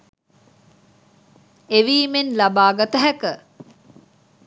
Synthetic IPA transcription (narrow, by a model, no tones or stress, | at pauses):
eʋiːmenlabaːɡat̪əɦækə